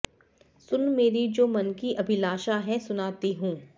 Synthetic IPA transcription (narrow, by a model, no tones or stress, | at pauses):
sʊnmeːɾid͡ʒoːmɐnkiʔɐbʱɪlaːʃaɦɛsʊnaːt̪iɦũː